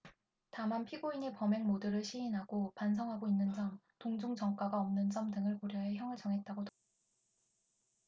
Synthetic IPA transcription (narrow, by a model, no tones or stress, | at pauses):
tamanpʰiɡoiɲipʌme̞ŋmodɯɾɯɭɕʰiinɦaɡopansʰʌŋɦaɡoinːɯnd͡ʑʌm | toŋd͡ʑoŋd͡ʑʌŋk͈waɡaʌmnɯnt͡ɕ͈ʌmdɯŋɯɭkoɾjʌɦe̞çjʌŋɯɭt͡ɕʌŋɦe̞t̚t͈aɡot